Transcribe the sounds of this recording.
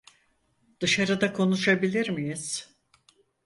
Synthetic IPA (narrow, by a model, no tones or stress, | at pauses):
d̪̥ɯʃaɾɯd̪akʰo̞nuʃabilʲiɾmijiz̥